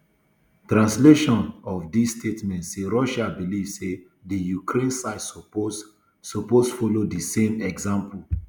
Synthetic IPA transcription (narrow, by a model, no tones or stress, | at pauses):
tɹãnsleʃɔ̃nɔfdisstʰetmɛ̃ntseɹɔʃabilivse | dijukʰɾẽnsaɪd | soposfɔlodisẽmɛɡzãmpʰul